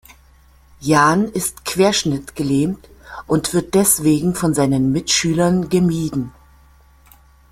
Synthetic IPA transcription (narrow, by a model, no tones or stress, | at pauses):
jaːnɪstkv̥eːɐʃnɪtɡ̥əleːmtʔʊntv̥ɪɐt̚d̥ɛsv̥eːɡŋ̩fɔnzaɪnənmɪtʃyːlɐnɡəmiːdn̩